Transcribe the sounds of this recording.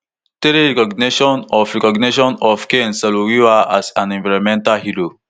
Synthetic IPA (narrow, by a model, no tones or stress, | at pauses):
teɾeɹɛkɔɡneʃɔ̃nɔfɹɛkɔɡniʃɔ̃nɔfkẽnsalowiwaʔasãnɛ̃nvaɹɔ̃mɛ̃ntalhiɹo